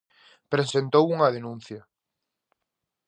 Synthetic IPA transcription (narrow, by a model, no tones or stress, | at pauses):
pɾesent̪owuŋað̞enũn̟θja